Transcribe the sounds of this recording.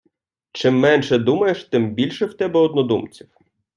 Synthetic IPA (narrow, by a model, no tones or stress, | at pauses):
t͡ʃɪmːɛnʃɛd̪umɐjeʃt̪ɪmbʲilʲʃɛwt̪ɛbɛɔd̪nɔd̪umt͡sʲiw